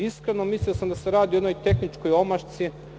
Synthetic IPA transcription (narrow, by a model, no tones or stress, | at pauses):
iskɾe̞no̞mislʲiosamd̪ase̞ɾaːd̪ioenojt̪e̞xnit͡ʃko̞jo̞maʃt̪si